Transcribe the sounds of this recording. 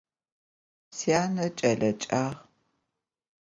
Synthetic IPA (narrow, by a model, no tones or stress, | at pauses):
siaːnɐt͡ʃʼɐɮɐt͡ʃʼaːʁ